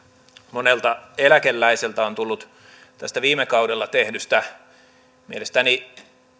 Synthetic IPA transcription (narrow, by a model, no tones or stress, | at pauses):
monelt̪ɑelækelːæiselt̪æont̪ulːut̪ | t̪æst̪æʋiːmekɑudelːɑt̪ehnys̆t̪æ | mielest̪æni